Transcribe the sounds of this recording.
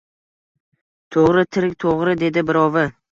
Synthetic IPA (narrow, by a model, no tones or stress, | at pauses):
t̪ʰoʁɾɪt̪ʰɪɾk̚ʲt̪ʰoʁɾɪd̪e̞d̪ɪbɪɾɒvɪ